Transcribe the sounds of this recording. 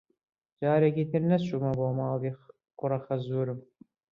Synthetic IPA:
d͡ʒɑːɾekiːt̪ʰɪɾnɐʃumɐboːmɑːld̪iː | qʊɾɐxɐzuːɾɨm

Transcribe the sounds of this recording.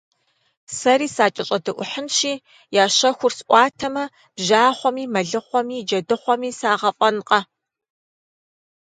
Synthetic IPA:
sɐɾiːsaːt͡ʃʼɐɕʼɐdɨʔʷʊħənʃiː | jaːɕɐxʷʊrsʔʷʼɑːtʰɐmɐ | b̥ʒaːχʷɔmiːmɐɮɨχʷɔmiːd͡ʒɐdɨχʷɔmiːsaːʁɐfʼɐnqʼɐ

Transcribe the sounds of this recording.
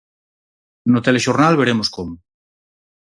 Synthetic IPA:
not̪eleʃoɾnalβeɾemoskomo

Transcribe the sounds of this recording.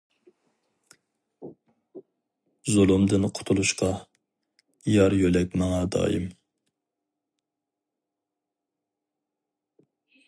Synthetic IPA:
zolˠumd̪ɪnqʰʊ̥t̪ʰʊlˠuʃqɑ | jɑɾjølɛk̚ʲmɑŋɑd̪ɑ̰ːjḭm

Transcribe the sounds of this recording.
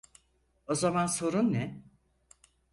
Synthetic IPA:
o̞zamanso̞ɾunːɛ

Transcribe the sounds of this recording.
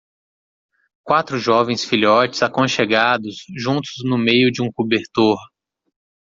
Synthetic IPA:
kwat̪ɾʊʒɔvẽj̃sfiʎiɔt͡ʃɪ̥zakõʃeɡad̪ʊsʒũnt̪ʊ̥znʊmejʊd͡ʒɪũkubeɾt̪oɾ

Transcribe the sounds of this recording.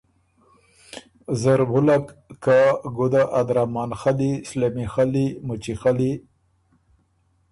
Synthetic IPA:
zaɾbʊlakkːaɡʊd̪aʔad̪ɾamɑːnxalislamixalimʊt͡ʃixali

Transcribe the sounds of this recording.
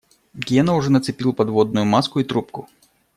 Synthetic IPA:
ɡʲenɐʊʐɛnɐt̪sɨpʲilˠpɐd̪vod̪nʊjʊmaskʊit̪ɾup̚kʊ

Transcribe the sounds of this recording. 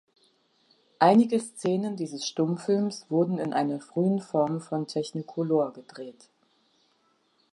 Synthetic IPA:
ʔaɪnɪɡəst͡seːnəndiːzəsʃtʊmfɪlmsv̥ʊɐdn̩ɪnʔaɪnɐfʁ̥yːənfɔɐmfɔntʰɛçnɪkʰoloːɐɡədʁeːt

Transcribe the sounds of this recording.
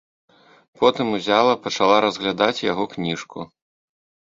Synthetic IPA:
pɔt̪ɨmuzʲalˠɐpɐt͡ʂalˠaɾɐzɣlʲad̪at͡sʲjaɣɔknʲiʂkʰṵ

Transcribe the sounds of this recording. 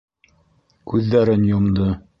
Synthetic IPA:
kʉðːæɾɘnjŏmd̪ɤ

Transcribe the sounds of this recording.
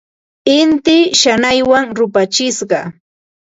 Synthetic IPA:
ɪnt̪ɪʃanajwaŋɾʊpat͡ʃɪsɢɑ

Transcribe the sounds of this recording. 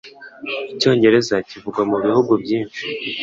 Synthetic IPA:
ico̞ːɲɟe̞ɾe̞zacivuɡwamuβihuɡubɟiːnʃi

